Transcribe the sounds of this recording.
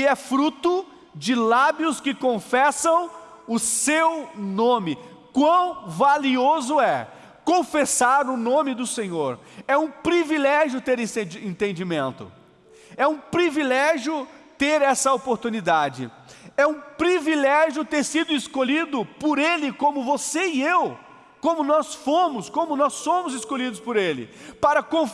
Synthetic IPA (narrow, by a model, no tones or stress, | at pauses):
ɪɛfɾut̪ʊ | d͡ʒɪlabjʊskɪkõfɛsɐ̃w̃ | ʊsewnõmɪkwɐ̃w̃valiozʊɛ | kõfesaɾʊnõmɪd̪ʊsẽɲoɾ | ɛũpɾivilɛʒjʊt̪eɾẽẽd͡ʒẽnt̪ẽnd͡ʒimẽnt̪ʊ̰ | ɛũpɾivilɛʒjʊ | t̪eɾɛsɐopoɾt̪ũnid̪ad͡ʒɪ̰ | ɛũpɾivilɛʒjʊt̪eɾsid̪ʊɪskolid̪ʊpʊɾelɪkõmʊvoseɪew | kõmʊnɔsfõmʊskõmʊnɔsːõmʊzɪskolid̪ʊspʊɾelɪ̰paɾɐkõ